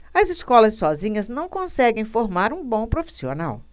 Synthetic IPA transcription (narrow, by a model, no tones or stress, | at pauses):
ɐziskɔlɐsːɔzĩɲɐznɐ̃w̃kõsɛɡẽj̃foɾmaɾũbõpɾofi̥sio̰na̰w